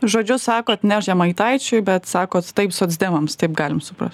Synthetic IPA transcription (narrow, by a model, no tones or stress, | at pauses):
ʒoːd͡ʒʲʊsɑːkoːt̪nʲæʃjɛmɐɪt̪ɐɪt͡ʃʲʊɪbʲɛt̪sɑːkoːtt̪ɐɪpsʊɔːd̪zʲd̪ʲeːmɐmst̪ɐɪp̚ɡɑːlʲɪmsʊpɾɐstt̪ʲ